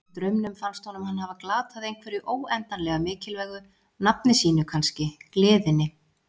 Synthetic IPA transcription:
t̪ɾœɥmnʏmfanst̪hɔnʏmhanːhavaklaːt̪ʰaðejŋkʰvɛɾʏʔoːwɛnt̪anlɛɣamɪːcɪlvɛɣʏ | napnɪsiːnʏkʰanscɪklɪːðɪnːɪ

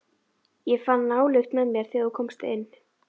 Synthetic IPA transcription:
jɛfanːaːwlʏxt̪mɛðmjɛɾ̥θiaðkʰɔmst̪ɪ̰nː

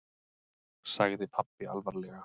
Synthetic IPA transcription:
saɣðɪpʰapːɪa̰lvaɾlɛɣa

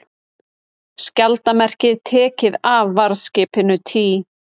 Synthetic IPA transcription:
scalt̪amɛr̥cɪðt̪ʰɛːcɪðavːaɾðscɪːpɪnʏt̪ʰiː

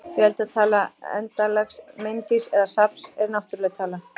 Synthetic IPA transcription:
fjɛlt̪aðt̪ʰaːlaɛ̰nt̪alaksmejnt̪isɛðasapsɛɾnawht̪ʏɾlɛɣt̪ʰaːla

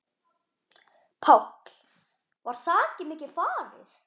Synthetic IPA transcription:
pʰawk | vaɾ̥θaːcɪmɪːcɪfaːvɪ̰θ

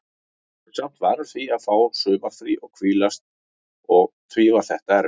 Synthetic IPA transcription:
sam̥t̪vaːɾʏɾ̥θviaðfaːwsʏːmafɾiʔɔɣkʰviːlast̪̚ | ɔɣt̪ʰɾiːvaθɛht̪aɛɾ

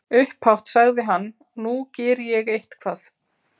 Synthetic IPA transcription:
ʏhphawht̪saɣðɪɦanː | ucɛːɾɪjɛɣejht̪kʰvaːθ

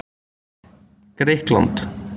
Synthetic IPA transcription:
ɡ̥ɾeːklɑ̰nt̪

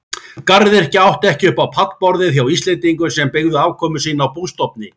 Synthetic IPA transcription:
kaɾðɪɛɾɛhcɪawht̪ɛhcɪʏhpawpʰat̪lpɔɾðɪθjawist̪lɛnt̪iŋkʏ̥sɛmpeɣðʏaːwkʰɔːmʏsiːnawpuðst̪ɔp̚nɪ

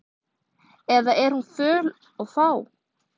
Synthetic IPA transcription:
ɛðaɛɾ̥hunfœːl | ɔɣfaːw

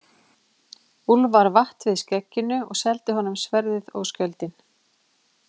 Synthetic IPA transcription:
ulvaɾvaht̪vɪðscɛcːɪnʏɔ̰ɣsɛlt̪ɪɦɔnʏmsvɛɾðɪðo̰wskœlt̪ɪn

